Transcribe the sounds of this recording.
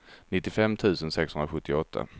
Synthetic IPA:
nɪt̪ːɪfɛmːt̪ʰʉ̟ːsənsɛkshɵnɾaɧɵt̪ːɪɔt̪ʰːa̰

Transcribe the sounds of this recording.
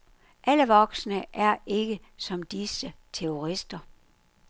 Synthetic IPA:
ʔæləʋɒɡ̥snəʔæɐe̝ɡ̥ə | sɒ̽md̥isət͡sʰeoʁisd̥ɐ

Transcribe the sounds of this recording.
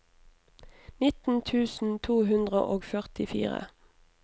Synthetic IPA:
nɪt̪n̩t̪ʰʉːsn̩t̪ʰuːɦʉnd̪ʁə̰ʔoːɡfœʁt̪ɪfḭːʁə̰

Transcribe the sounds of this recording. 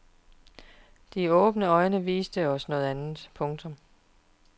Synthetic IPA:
d̥iɔ̽ːb̥nəɒ̽ɪnəʋḭːsd̥əɒ̽snɔ̽ːð̞̩ˠænð̩ˠpʰɔ̽ŋt͡sʰɔ̽m

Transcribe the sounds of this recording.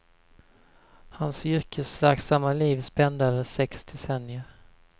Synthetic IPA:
hansʏɾkʰəsvæɾksamːaliːvspɛnd̪aøːvəʂɛksd̪ɛsɛnɪəɾ

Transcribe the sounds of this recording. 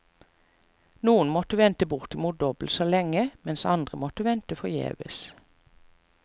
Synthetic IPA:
nuːənmɔt̪əʋɛnt̪əbʊʁt̪ɪmuːt̪̚d̪ɔbl̩t̪soːlɛŋəmɛnsɑ̰nd̪ʁəmɔt̪əʋɛnt̪əfɔʁjḛːʋə̰s

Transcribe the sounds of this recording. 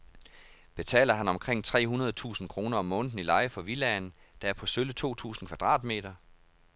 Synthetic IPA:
b̥e̝t͡sʰɛ̰ːlɐɦænɒ̽mkʰʁeŋ̰t͡sʰʁɛ̰ːɦunɐð̞ˠt͡sʰṵːsn̩kʰʁo̝ːnɐɒ̽mːɔ̽ːn̥n̩ilɑ̈ɪəfɒ̽ʋilɛn | d̥ɑ̈æɐpʰɒ̽sølət͡sʰo̝̰ːt͡sʰṵːsn̩kʰʋæd̥ʁɑ̰̈ːd̥me̝̰ːd̥ɐ

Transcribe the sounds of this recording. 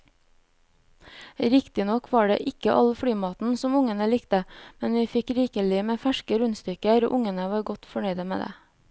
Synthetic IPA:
ɾɪkt̪ɪnɔkʰʋɑːɖḛːʔɪkəʔɑlfɽyːmɑːt̪n̩sɔmʊŋənəlɪkt̪əmɛnʋiːfɪkɾiːkəlɪmeːfæʃkəɾʉnst̪ʏkəɾo̰ːʔʊŋənəʋɑːɾɡɔt̪fɔɳœʏd̪əmḛːd̪ḛː

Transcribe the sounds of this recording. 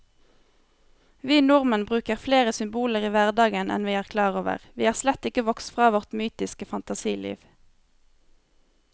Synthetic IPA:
ʋiːnʊʁmənbʁʉːkəʁfleːʁəsʏmbuːləʁiːʋæʁd̪ɑːɡənʔɛ̰nʋiːæːʁkʰlɑːʁoːʋə̰ʁʋiːɑːʁslɛt̪ɪkəʋɔkst̪fʁɑːʋɔʁt̪myːt̪ɪskəfɑnt̪ɑsiːlḭːʋ

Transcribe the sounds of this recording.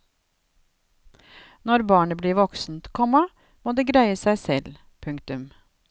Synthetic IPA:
nɔɾbɑːɳəbliːʋɔksn̩t̪kʰɔmə | moːd̪eːɡɾæɪəsæɪsɛl | pʰʉŋkt̪ʉm

